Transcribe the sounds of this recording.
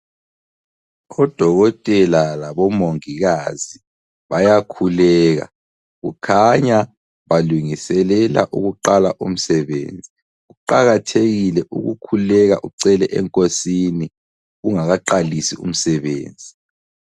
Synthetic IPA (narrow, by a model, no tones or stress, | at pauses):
ɔd̥ʱɔɣɔtʼɛlalaβɔmoŋiɣazi | βajakʰulɛːɣa̰ | ɣṵkʰaɲa | βaluŋisɛlɛla̰ʔuɣuǃalaʔum̩sɛβḛːnd͡zʱi | ɣuǃaɣatʰeɣilɛʔuɣukʰulɛɣaʔuǀɛlɛʔɛŋkʼosini | ɣuŋaɣaǃalisiṵm̩sɛβḛːnd͡zʱi